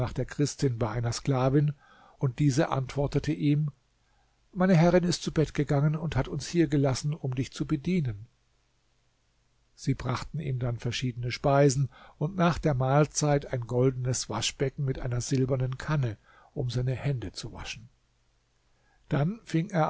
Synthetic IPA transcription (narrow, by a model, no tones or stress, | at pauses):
aːχd̥eːɐkʁ̥ɪstɪnbaɪʔaɪnɐskl̥aːvɪn | ʊnt̚d̥iːzəʔa̰ntv̥ɔɐtətʰəʔiːm | maɪnəɦɛʁɪnɪstt͡subɛtɡ̥əɡaŋənʊnthatʊnshiːɐɡəlasn̩ʊmdɪçt͡subədiːnən | z̥iːbʁaχtn̩ʔḭːmdanfɛɐʃiːdənəʃpaɪzn̩ʊntnaːχd̥eːɐmaːlt͡saɪtaɪnɡɔldn̩əsv̥aʃb̥ɛkŋ̩mɪtʔa̰ɪnɐzɪlbɐnənkʰanə | ʔʊmzaɪnəhɛndət͡suva̰ʃn̩ | d̥anfɪŋeːɐ